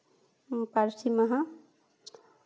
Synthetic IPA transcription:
paɾsiməɦã

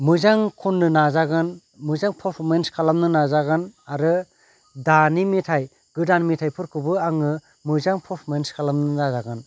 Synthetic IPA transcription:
mɯzaŋkʰunːɯnazaɡɯn | mɯzaŋpʰɔpʰmenskʰalamnɯnazaɡɯnaɾɯ | danimitʰaj | ɡ̥ɯdanmitʰajpʰɯɾkʰɯbɯaŋɯ | mɯzaŋpʰɔpʰmenskʰalamnɯnazaɡɯn

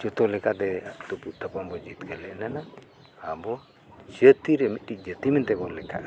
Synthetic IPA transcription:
d͡ʒɔt̪ɔlɛkad̪ɛt̪upuʔt̪əpambɔd͡ʒit̪kəlɛʔnana | abɔ | d͡ʒət̪iɾɛmit̪̚ɗic̚d͡ʒət̪imɛnt̪ɛbɔlɛka̰ʔ

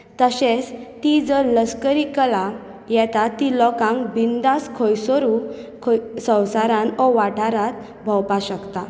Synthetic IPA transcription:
t̪əɕet͡st̪id͡zəɾləskəɾikəla | jɛt̪at̪ːilɔkãŋkbind̪askʰɔjsɔɾukʰsə̃wsaɾãnɔʋaʈʰaɾat̪ | bʱəwpaɕəkt̪a

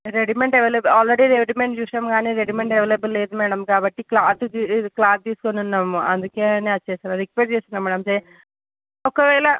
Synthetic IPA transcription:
ɾeɖimeɳʈeʋelebaːlɾeɽiɾeʋiɽimeɳʈjuʂɐmɡaːniːɾeɖimeɳʈeʋeːlebɐlːeːd̪umɛːɽɐmkaːbɐʈːiklaːt̪uiklaːd̪̚t̪iːsu̥konunːaːmuɐnd̪ukeːneːɐt͡ʃːeːsinɐd̪ikʋeʈ̚t͡ʃeːsinːɐmːɐːɽɐmse | ɔkɐʋɛːlɐ

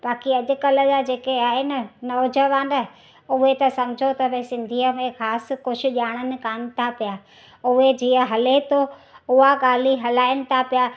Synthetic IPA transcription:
ɓaːkiɐʄʊ̆kɐləd͡ʑad͡ʑeːkeaːɦenɐnɐʋd͡ʑəʋãːnd̪ɐ | ʊɦet̪ɐsɐ̃m̤ɪd͡ʑʱot̪ɐbẽsɪ̃nd̪ʱiːəmẽxaːskʊʃʰʊ̆ʄaːɽ̃ənɪ̆kaːnɪ̆t̪ʰapijaː | ʊɦed͡ʑiːə̃ɦɐlet̪ʰoʊɦaɡaːl̤iɦɐlaːɪənɪ̆t̪ʰapija

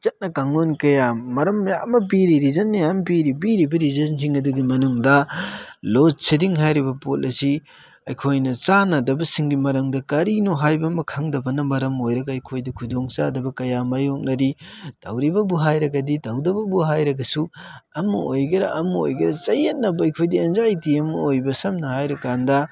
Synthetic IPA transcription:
t͡ʃɐt̚nɐkaŋonkɐjamɐɾɐmjamːɐp̬iɾiɾizɐnːɐjampiɾipiɾibɐɾizɐns̬iŋɐduɡimɐnuŋdɐ | losidiŋɦajɾibɐpot̚ɐsi | ɐjkʰojnɐt͡ʃanɐdɐbɐsiŋɡimɐɾɐŋdɐkɐɾinoɦajbɐmɐkʰaŋdɐbɐnɐmɐɾɐmojɾɐɡɐɐjkʰojdɐkʰudoŋt͡ʃadɐbɐkɐjamajok̚nɐɾid̥ɐwɾibɐbuɦajɾɐɡɐdidɐwdɐbɐbuɦajɾɐɡɐsuɐmɐojɡɐɾɐ̰ʔɐmɐo̰jɡɐɾɐt͡ʃɐjet̚nɐbɐɐjkʰojdienzajtiɐmɐojbɐsɐmnɐhajɾɐkandɐ

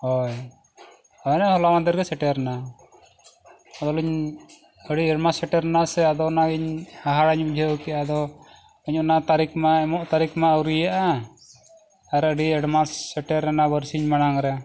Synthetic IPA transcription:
hɔj | ɔjnɛhɔlamand̪iɾɡɛsɛʈɛɾna | ɔd̪ɔliɲ | əɽiɛɖmasɛʈɛɾnasɛad̪ɔnaɡiɲaɦaɽaɲum̚d͡ʒʱɛwkɛʔad̪ɔ | iɲɔnat̪aɾikmaɛmɔʔt̪aɾikmaəwɾijaʔa | aɾəɖiɛɽmasɛʈɛɾɛnabəɾsiɲmanaŋɾɛ

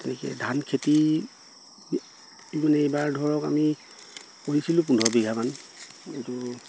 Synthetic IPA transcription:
tɛnɛkɛ̰dʱankʰeti | ibɔnɛejbaɹdʱɔɹɔka̰mi | koɹisilʊ̃p̬undʱɔbiɡʱamanitu

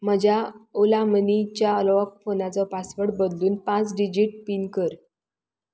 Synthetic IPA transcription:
m̤əd͡ʑʱaolamənit͡ɕjaəlɔʋəkfonat͡sɔpasʋəɽbəd̪luːnpãt͡sɖid͡ʑiʈ̚pinkəɾ

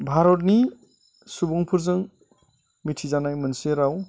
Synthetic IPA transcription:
bʱaɾɔt̬̚ni | subuŋpʰɯɾzɯŋ | mitʰizanajmɯnseɾaw

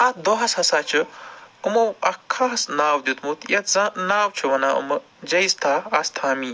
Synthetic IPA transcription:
at̪̚d̪oɦɐsɦɐsaːt͡ʃʰɨɨmowɐkʰːaːɦɐsnaːwd̪ʲut̪mut̪jɐt̪zanaːwt͡ʃʰuʋɐnaːʔṵmɐ | d͡ʒɐjst̪ʰaːɐst̪ʰaːmiː

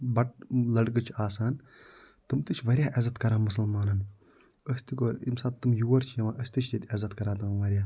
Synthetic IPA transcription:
bɐʈ̚lɐɽɡɨt͡ʃʰaːsaːn | t̪ɨmt̪ɨt͡ʃʰʋɐɾʲjaːʔɐzɐt̪kɐɾaːmɐsɐlmaːnɐn | əst̪ikoːɾḭmsaːt̪ɨmjuːɐɾt͡ʃʰjɐʋãːʔəsʲt̪it͡ʃʰt̪ɐt̪ʲɐzɐt̪kɐɾaːt̪ɐŋʋɐɾʲjaː

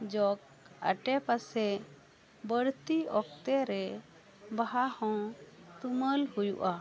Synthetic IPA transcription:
d͡ʒɔk | a̰ʈɛpasɛ | bəɽt̪iɔk̚t̪ɛɾɛ | baɦahɔ̃t̪uməlhujṵʔa

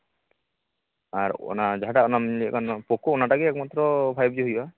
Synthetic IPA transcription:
aɾɔ̰nad͡ʒaɦaʈaɔnamlḭkanpɔkoɔnaʈakeɛkmat̪ːɾɔpʰajb̚d͡ʒɔɦujba

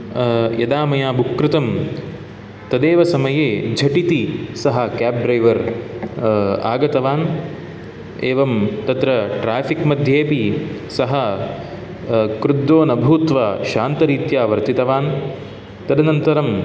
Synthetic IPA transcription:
jɐd̪aːmɐjaːbukɾɪt̪ɐm | t̪ɐd̪eːʋɐsɐmɐjeːd͡ʒʱɐʈit̪isɐɦɐ̆kaːb̚ɖɾɐjʋɐɾ | a̰ːɡɐt̪ɐʋaːn | eːʋɐmt̪ɐt̪ɾɐʈɾaːfikmɐd̪ʱjeːpi | sɐɦɐ | kɾud̪oːnɐbʱuːt̪ʋaːʃaːnt̪ɐɾiːt̪jaːʋɐɾt̪it̪ɐʋaːn | t̪ɐd̪ɐnɐnt̪ɐɾɐm

